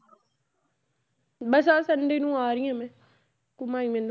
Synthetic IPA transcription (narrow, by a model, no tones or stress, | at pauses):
bəsaːsənɖeːnũːaːɾɪːãːmɛ̃ː | kʊmaːĩːmẽn